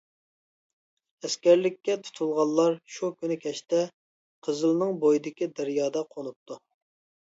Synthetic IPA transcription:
ɛskʲɛɾlɪkʲːɛt̪ʰu̥t̪ʰulˠʁɑlˠːɑɾʃukʲynɪkʲʰɛʃt̪ɛ | qʰəzɨlˠnɨŋbojid̪ɪkʲid̪ɛɾjɑːd̪ɑqʰonup̚t̪ʰu

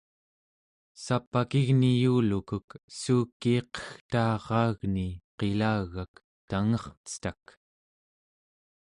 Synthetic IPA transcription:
sapːakiɣnijuːlukuksuːkːiːqə̥xt̪ɑːʁɑːɣniqe̞laːɣak | t̪aŋʌχt͡sə̥t̪ak

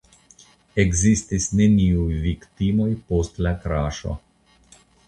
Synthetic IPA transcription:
eɡzist̪isnɛnʲiujvikt̪imojpost̪lakɾaːʃo̰

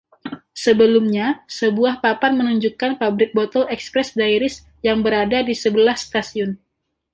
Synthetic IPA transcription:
səbəlumɲasəbuahpapanmənuɲd͡ʒukanpabɾɪk̚bot̪ɔlɛkspɾɛsdaiɾɪs | jaŋbəɾadadisəbəlahst̪asiʊn

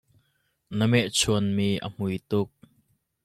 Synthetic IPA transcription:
nəmɛʔt͡sʰuənmiːʔə̰m̥ujt̪ʊk̚

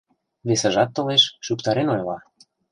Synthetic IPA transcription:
βesə̆ʒɑt̪ːɤ̆leʃʃukt̪ɑɾenojlɑ

